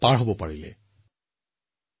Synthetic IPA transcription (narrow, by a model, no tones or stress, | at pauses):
paɹɦobɔpaɹilɛ̰